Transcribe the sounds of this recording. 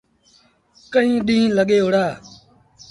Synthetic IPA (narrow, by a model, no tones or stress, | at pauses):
kəĩːɗĩːləɠeːɦoɽaː